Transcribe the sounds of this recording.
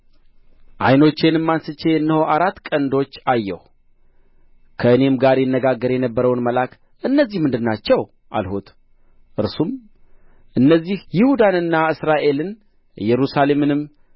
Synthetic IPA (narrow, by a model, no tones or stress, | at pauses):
ʔa̰jno̞t͡ʃːe̞nɨmːansɨt͡ʃːe̞ɨnːəhoaɾat̪ːkʼənd̪o̞t͡ʃːajːɛ̰h | kʰəɨne̞mɡaɾjɛnːəɡaɡːəɾjɛnəbːəɾəwnməlak | ʔɨnːəzːihmɨnd̪ɨnːat͡ʃːɛw | ʔa̰lhut̪ | ʔɨɾsum | ʔɨnːəzːihjɪhud̪anɨnːaɨsɾaʔe̞lɨn | jɛɾusale̞mɨnɨm